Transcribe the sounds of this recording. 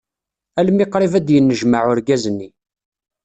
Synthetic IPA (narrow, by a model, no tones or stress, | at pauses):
ælmiqɾˤivæd̪jənːəʒmaʕʊɾɡæzənːi